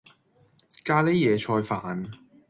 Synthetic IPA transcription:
kaː˧le˥jɛː˨˧t͡ʃʰɔː˧jfaː˨n

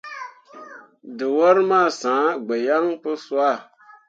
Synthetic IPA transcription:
dɨ˨wɔ˦ɾmaː˦˨sãː˨˦ɡ͡bɛ˨ja˦ŋpɨ˦swa˦˨

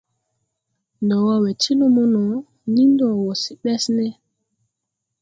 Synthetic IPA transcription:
ndɔ˨wɔ˦wɛ˨tʰi˦lo˦mu˦nɔ˨ | nĩ˦ndɔ˨wɔ˨si˨ɓɛ˦snɛ˦

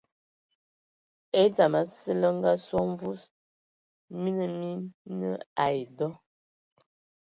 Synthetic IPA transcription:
e˦d͡za˨ma˨sə˦lə˦ŋ̩˦ɡa˦swɔ˦ɱ˦vu˦s | mi˦nə˨mi˦nə˦a˨jdɔ˦

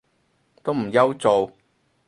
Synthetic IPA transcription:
t̪o˥wm̩˨˩jɐ˥wt͡so˨w

